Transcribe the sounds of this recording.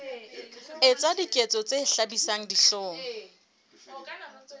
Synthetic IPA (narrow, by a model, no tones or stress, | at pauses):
ɪt͡sʼadikʼet͡sʼɔt͡sʼeɬabisaŋ̩diɬɔːŋ̩